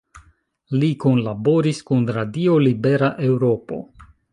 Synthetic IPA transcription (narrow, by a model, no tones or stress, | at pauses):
likonlabo̞ɾiskunɾadio̞libe̞ɾaʔe̞wɾo̞po̞̰